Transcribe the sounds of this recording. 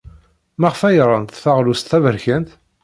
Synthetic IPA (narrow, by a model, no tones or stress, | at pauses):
mæʁfæjɾˤənt̪θæʁlust̪θævəɾçænt̪